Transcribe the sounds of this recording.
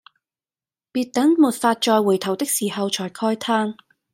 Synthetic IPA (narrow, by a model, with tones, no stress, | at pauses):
piː˧t̚t̪ɐ˨˥ŋmuː˨t̚faː˧t̚t͡ʃɔː˧jwuː˨˩jt̪ʰɐ˨˩wt̪ɪ˥k̚siː˨˩hɐ˨wt͡ʃʰɔː˨˩jkʰɔː˥jt̪ʰaː˥ŋ